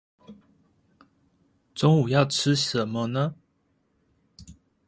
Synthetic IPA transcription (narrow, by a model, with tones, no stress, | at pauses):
ʈ͡ʂʊ˥ŋu˨˩jɑ˥˩ʊʈ͡ʂʰɻ̩˥ʂə˨˦mə˧˦nə˧